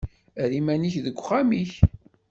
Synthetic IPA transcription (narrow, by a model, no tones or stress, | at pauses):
ɾimæniçðəɡʷːχamiç